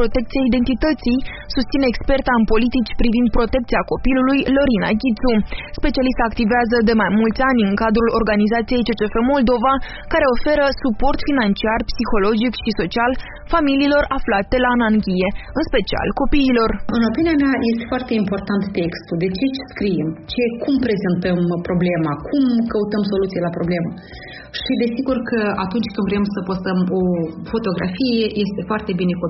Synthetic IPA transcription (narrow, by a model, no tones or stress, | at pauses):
pɾo̞t̪e̞k̚t̪siaid̪e̞nt̪it̪ət̪sij | sust̪ineːkspe̞rt̪aɨnpo̞lit̪it͡ʃʲpɾivind̪̚pɾo̞t̪e̞kt̪siako̞pilulujlo̞ɾina̰ɡʲit̪suspe̞t͡ʃialist̪aːkt̪iveazəd̪e̞majmult̪sʲanʲɨŋkad̪ɾulo̞rɡanizat̪sije̞jt͡ʃe̞t͡ʃe̞femo̞ld̪o̞va | kaɾe̞o̞fe̞ɾəsupo̞rt̪finant͡ʃiarpsixo̞lo̞d͡ʒikʃiso̞t͡ʃial | familiːlo̞raflat̪e̞laːnaŋɡʲije̞ɨnspe̞t͡ʃia̰lko̞piːlo̞rɨno̞pinijameaje̞st̪e̞foart̪e̞impo̞rt̪ant̪ːekst̪ud̪e̞t͡ʃe̞t͡ʃskɾijemt͡ʃe̞kumpɾe̞ze̞nt̪əmpɾo̞ble̞makʰumkəut̪əmso̞lut̪sijelapɾo̞blema | ʃid̪e̞siɡurkəat̪unt͡ʃʲkɨnd̪vɾeemsəpost̪əmo̞fo̞t̪o̞ɡɾa̰fije̞je̞st̪e̞foart̪e̞bine̞ko